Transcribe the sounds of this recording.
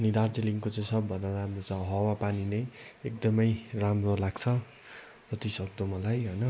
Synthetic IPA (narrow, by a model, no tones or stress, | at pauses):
ʌnid̪ard͡zeliŋkot͡saj̃sʰʌbːʱʌnʌramrot͡sʰʌɦʌwapaninʌjek̚d̪ʌmʌjramrolaɡt͡sʰʌ | d͡zʌt̪isʌk̚d̪omʌlajɦʌjnʌ